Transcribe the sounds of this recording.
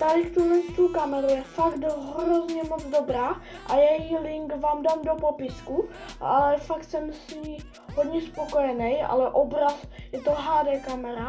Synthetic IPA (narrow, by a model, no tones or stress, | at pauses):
t̪aɾɪkt̪uɦlɛnst̪uːkamɛɾujɛfakt̪ɦɾozɲɛmot͡sdo̞bɾaː | ʔajɛjilɪŋkvaːmdaːmdopopɪsku | alɛfakt̪sɛmsi | ɦod̪ɲɛspoko̞jɛnɛja̰lɛʔobɾasjɛt̪oɦaːdɛːkamɛɾa